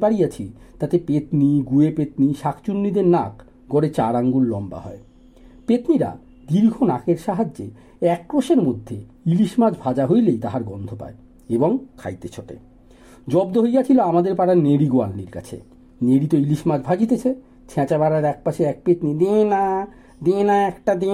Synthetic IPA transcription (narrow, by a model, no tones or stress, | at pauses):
baɾijat͡ɕʰit̪at̪epet̪niɡuepet̪niʃakʰt͡ɕunːid̪eɾnak | ɡɔɽet͡ɕaɾaŋɡulːɔmba̰ɦɔ̰e | pet̪niɾa̰ | d̪iɾɡʱonakeɾʃaɦad͡ʑːe | ɛk̚kɾoʃeɾmod̪ʱːeiliʃmad͡ʑbʱad͡ʑaɦojlejt̪aɦaɾɡɔnd̪ʱopa̰e | eboŋkʰa̰jt̪et͡ɕʰoʈḛ | d͡ʑɔbd̪oɦojat͡ɕʰiloamad̪eɾpaɾaɾneɾiɡoa̰lnḭɾka̰t͡ɕʰḛ | neɾit̪oiliʃmad͡ʑbʱad͡ʑit̪et͡ɕʰe | t͡ɕʰɛ̃t͡ɕabaɾaɾɛk̚paʃeɛk̚pet̪nid̪ena | d̪enaɛkʈad̪e